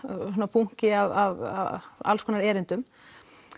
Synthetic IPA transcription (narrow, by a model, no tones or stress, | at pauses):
sɔnːapuŋ̥cɪavava̰a̰lskʰɔnaɾɛːɾɪnt̪ʏm